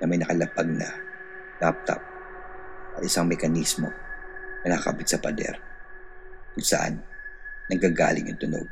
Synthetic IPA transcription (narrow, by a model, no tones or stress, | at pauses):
nɐmɐjnɐkɐlɐpaɡ̚nɐ̰ | lap̚t̪ɐ̰p̚ | ʔɐt̪ʔɪsaŋmɛkɐnismo̞nɐnakɐʔbit̪̚sɐpɐd̪ɛ̰ɾ | kʊŋsɐʔa̰nːɐŋɡaɡa̰ːlɪŋʔɐŋt̪ʊno̰ɡ̚